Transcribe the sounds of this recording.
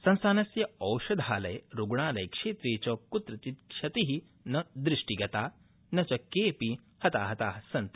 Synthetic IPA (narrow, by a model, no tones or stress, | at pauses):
sɐ̃nsaːnɐsjɐɐwʃɐd̪ʱaːlɐjɾuɡɳaːlɐjkʂeːt̪ɾeːt͡ɕɔːkut̪ɾɐt̪it̪kʂʰɐt̪iɦi | nɐd̪ɾiʂʈiɡɐt̪aː | nɐt͡ʃɐkeːpi | hɐt̪aːɦɐt̪aːɦɐsɐnt̪